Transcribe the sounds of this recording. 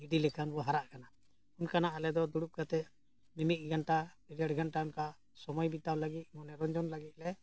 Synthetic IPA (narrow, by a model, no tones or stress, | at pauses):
iɖilɛkʰanbɔɦaɾaʔkana | unkanaʔalɛd̪ɔd̪uɽup̚kat̪ɛ | mimit̪̚ˀɡʱanʈa | iɾaʈɡʱanʈaunka | sɔmɔjbit̪awləɡit̪̚mɔnɛɾɔɲd͡ʒɔnləɡit̪̚lɛ